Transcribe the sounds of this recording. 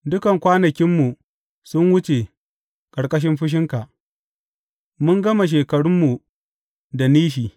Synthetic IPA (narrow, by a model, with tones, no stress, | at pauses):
dʊ˦kɐ˨ŋkʷaː˦nɐ˨kʲɪ˦mːu˨ | sʊ˦nwʊ˦t͡ʃe˨ | kɐ˨ɽkʼɐ˦ʃ̬ɪ˦mɸʊ˦ʃ̬ɪ˦ŋka˨ʔ | mʊ˦ŋɡɐ˦ma˨ʃ̬eː˨kɐ˨ɽʊ˦mːu˨ | da˨niː˦ʃiː˨